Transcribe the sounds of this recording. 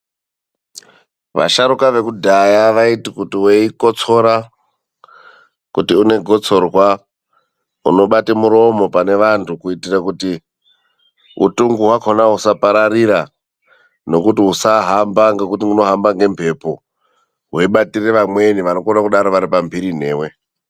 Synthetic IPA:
ʋa̰ʃaɾukaʋe̞kudʱajaʋaitikutiweikot͡so̞ɾa | kutiune̞ɡʱo̞t͡so̞rwa | ṵno̞ɓatimuɾo̞mo̞pane̞ʋantʰukuitirakuti | ṵtuŋɡuɦwakʰonaɦusapaɾariɾa | no̞kutiusaɦambaŋɡe̞kutiuno̞ɦambaŋɡe̞mpʰe̞po | ɦeiɓatireʋamwe̞niʋanokonakuɗaɾoʋaɾipambʱiɾin̤e̞̰ːwe̞

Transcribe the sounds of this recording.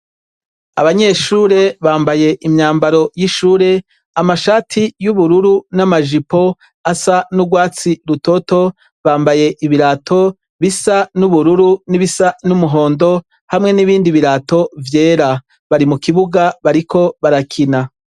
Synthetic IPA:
a̰βaɲe̞ʃuːɾe̞βaːmbaje̞ʔimɲaːmbaɾo̞jiʃuːɾe̞ | amaʃaːtʰijuβuɾuɾunamaʒipo̞ | asanuɡwaːt͡siɾuto̞to̞ | βaːmbaje̞ʔiβiɾaːtʰo̞ | βisanuβuɾuɾuniβisanumuɦo̞ːndo̞ | hamŋe̞niβiːndiβiɾaːto̞vje̞ːɾa | βaɾimukiβuɡaβaɾikʰo̞βaɾakʰina

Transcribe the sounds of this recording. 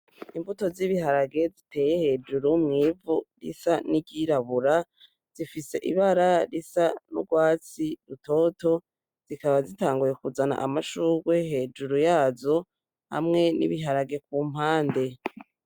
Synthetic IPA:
imvuto̞ziβiɦaɾaɡe̞zitʰe̞ːje̞he̞ːd͡ʒuɾumŋiːvuɾḭsaniɟiɾaβuɾa | z̥ifise̞ʔḭβaɾaɾisanuɡwaːt͡siɾuto̞ːto̞ | z̥ikaβazitaːŋɡuje̞kuzana̰ʔamaʃuɡwe̞ɦe̞ːd͡ʒuɾujaːzo̞ | ha̰mŋe̞nḭβiɦaɾaɡe̞kuːm̥haːnde̞

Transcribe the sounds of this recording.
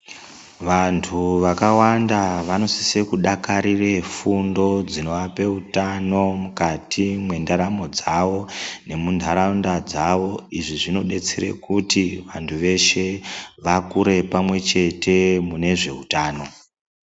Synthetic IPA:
ʋantʰuʋakawandaʋano̞sisekuɗakaɾire̞fundo̞d͡zino̞ʋape̞utano̞mukatʰimwe̞ndaɾamo̞d͡zaʋo̞ne̞mundʱaɾaundad͡zaʋo̞iʐiʐino̞ɗe̞t͡seɾe̞̰kutiʋantʰuʋe̞ʃe̞ʋakuɾe̞pamwe̞t͡ʃe̞te̞mune̞ʐe̞̰utaːno̞

